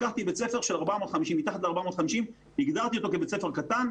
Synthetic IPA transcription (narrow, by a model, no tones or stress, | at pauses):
kaχt̪ibet͡se̞feʁʃe̞laʁbamo̞t̪χamiʃimːit̪aχat̪leaʁbamo̞t̪χamiʃim | iɡd̪aʁt̪io̞t̪o̞kebet͡se̞fe̞ʁkat̪an